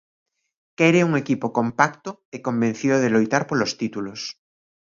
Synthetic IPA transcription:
kɛɾeuŋekipokompakt̪oekombẽn̟θiðoðelojt̪aɾpolost̪it̪ulos

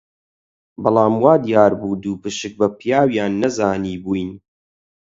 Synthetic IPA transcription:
bɑlˠɑːmwaːd̪ijaːɾbuːd̪uːpɨʃɨk̚bɐpjaːwjaːnːɐzaːniːbujn

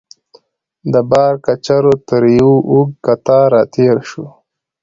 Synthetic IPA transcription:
d̪əbɑːɾkat͡ʃaɾot̪əɾjuʔuɡ̚kat̪aːɾat̪eːɾʃu

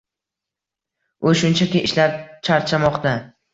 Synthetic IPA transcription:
oʃʊnt͡ʃʰakʲɪʔɪʃlaɾ̚t͡ʃʰaɾt͡ʃʰamɒqt̪ʰa

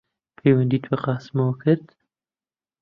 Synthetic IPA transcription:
pʰejwand̪it̪waqɑːsmawəkəɾt̪

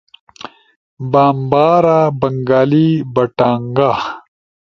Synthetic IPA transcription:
baːmbaːɾabɐŋɡaːlibɐʈaːŋɡa

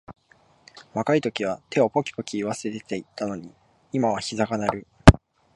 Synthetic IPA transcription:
βakait̪o̞kʲiβ̞at̪ʰe̞o̞po̞kʲi̥po̞kʲiːβase̞t̪et̪eit̪ːano̞ɲ̟i | imaβaçizakanaɾɯ̟

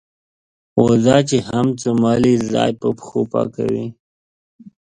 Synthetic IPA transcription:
wozɑt͡ʃehamt͡səmɑlizɑ̰jpəpxopɑ̰ka̰wi

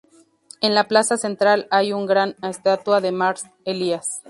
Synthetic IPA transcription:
enlaplasasent̪ɾalajuŋɡɾanest̪at̪waðemaɾs | elias

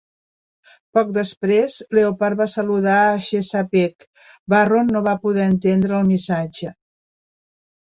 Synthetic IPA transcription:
pɔk̚d̪əspɾezleopaɾ̚βasəluðaəʃesapek | baronːoβapuðɛənt̪end̪ɾəːlˠmisad͡ʒə

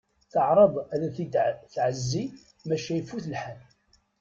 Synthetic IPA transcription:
θəʕɾˤɑðˤæðæθiθʕəzːi | mæʃæjfːuθlħan

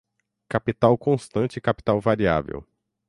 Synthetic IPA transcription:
kapit̪awkõst̪ɐ̃nt͡ʃɪkapi̥t̪awvaɾia̰vḛw

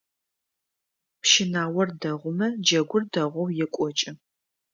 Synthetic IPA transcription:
pʃɪnaːwɔrdɐʁʷʊmɐd͡ʒɐɡʷʊrdɐʁʷɔwjɛkʷʼɔt͡ʃʼɪ

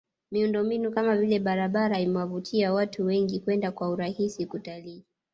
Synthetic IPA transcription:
miundɔmbinukamavilɛɓaɾaɓaɾaimwavutʰiawatʰuwɛŋɡikwɛndakwauɾahisikutaliː

